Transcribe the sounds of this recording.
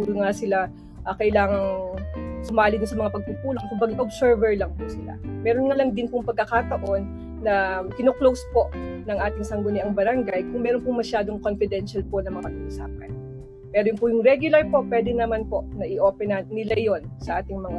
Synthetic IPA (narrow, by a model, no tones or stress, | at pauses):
uɾoŋasɪla | ʔɐkɐʔɪlaːŋɐŋ | sʊmaːlɪd̪ʊnsɐmɐŋapɐɡ̚puːpuːlok̚kʊmbaːɡɪʔobsɛɹvɛɹlɐŋpʊsɪla̰mɛːɾonŋɐlɐŋd̪ɪnpʊŋpɐɡ̚kːɐkaːt̪ɐʔo̞nː | ɐkɪnoklowspo̞ʔnɐŋʔaːt̪ɪŋsɐŋɡʊnɛʔɐŋbɐɾɐŋɡajkʊŋmɛːɾonpʊŋmɐʃaːd̪o̞ŋko̞nfɪd̪ɛnʃɐlpo̞nɐmɐɐɐɡɐʔʊsa̰ːpɐ̰n | pɛːɾojʊŋpuːjʊŋɾɛɡjʊlɐɹpo̞pwɛːd̪ɛnɐmanpo̞ʔnɐʔɪʔo̞ːpɛnɐnɪlajo̞nsɐʔaːt̪ɪŋmɐŋa